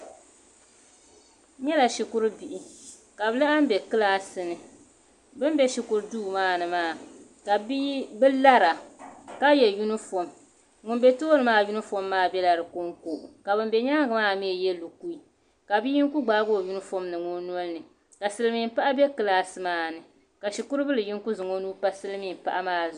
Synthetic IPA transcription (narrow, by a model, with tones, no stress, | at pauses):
ɲɛ˦la˨ʃi˨kʊ˦ɾɨ˦bi˨ʔi˨ | ka˨bɨ˦la˦ʔa˦m̩˦bɛ˨kɨ˦laː˦sɨ˦nɨ˨ | bɨ˦m˦bɛ˦ʃi˨kʊ˨ɾɨ˦duː˦˨maː˦nɨ˨maː˦˨ | ka˨bi˦bɨ˦la˦ɾa˨ka˦jɛ˨ju˦nɨ˦fo˨m | ŋʊ˨n˦be˦toː˦ɾɨ˨maː˦ju˦nɨ˦fo˦mːaː˦bɛ˦la˨ɾɨ˨ko˦ŋkoː˨ʔka˨bɨ˦m˦bɛ˨˦ɲa˦ŋ˦ɡɨ˨maː˦me˦˨jɛ˦lu˨ku˦i˨ | ka˨bi˦ji˦ŋ˦ku˦ɡ͡baː˦ɡo˦˨ju˦nɨ˦fo˦mnɨ˨ŋʊ˦nu˦o˦lnɨ˨ | ka˨sɨ˦lɨ˦mi˨m̩˦pa˦ʔa˦bɛ˦kɨ˦laː˦sɨ˦maː˦˨nɨ˨ | ka˨ʃi˨ku˦ɾɨ˦bɨ˦lɨ˨ji˦ŋku˦zʊ˨ŋo˦nuː˦pa˦sɨ˦lɨ˦mi˦˨m˨pa̰˦ʔa˦maː˦z